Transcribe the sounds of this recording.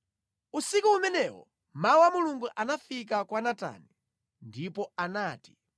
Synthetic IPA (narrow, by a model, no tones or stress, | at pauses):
usikuːmɛnɛwɔ̰ | mawamuluŋɡuʔanafik̬akwanata̰ni | ndipɔanaːti̥